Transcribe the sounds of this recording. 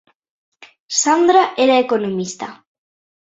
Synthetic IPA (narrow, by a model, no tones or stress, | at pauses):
sand̪ɾaʔeɾaekonomist̪a̰